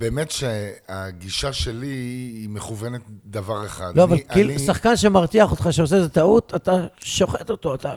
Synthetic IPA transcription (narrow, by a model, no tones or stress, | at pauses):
beːmetʃeaɡiʃaʃeliːmeχuvenet̪̚d̪avaʁeχa̰d̪loavalkilusaχkanʃemaʁt̪iaχo̞t̪χaʃeos̬etat̪aut̪at̪aʃo̞χet̪o̞t̪oat̪a